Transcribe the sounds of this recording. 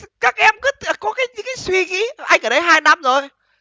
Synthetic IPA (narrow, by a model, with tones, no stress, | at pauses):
kaː˦˥k̚ʔɛ˧mkɨ˨˦t̪kɔ˨˦kaː˨˦jɲɨ̰˧˥ŋkaː˨˦jswi˧ɣi˨˦ʔa˧jŋ̟ʔəː˧˩ɗə˨˦jɦaː˧jna˧mzo˨˩j